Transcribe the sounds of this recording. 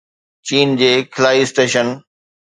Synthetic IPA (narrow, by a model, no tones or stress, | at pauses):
t͡ɕiːnd͡ʑeːkʰɪlaːisʈeːʃən